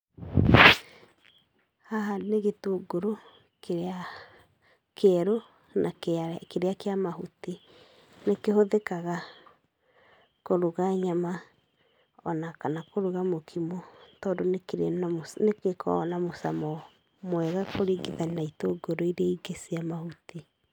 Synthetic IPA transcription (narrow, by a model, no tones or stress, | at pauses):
haɦaneɣetoɡoɾo | keɾea | keɛɾo | nakkeɾeakeamaɦuti | nekehoðekaɣa | koɾoɣaɲama | ɔnakanakoɾoɣamokʰimɔtɔːndonekeɾaosnekekʰɔ̰namosa̰mɔ | mwɛɣakoɾeːɡeðaninaitoɡoɾoiɾeaiɡesiamahuti